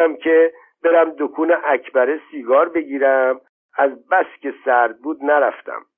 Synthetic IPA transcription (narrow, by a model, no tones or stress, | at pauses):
æmcʰe | b̥e̞ɾæmd̪okʰuːneʔæcʰbæɾesiːɡɒːɾbeɟiːɾæm | æzbæscʲe̞sæɾd̪̚buːd̪næɾæft̪æ̰m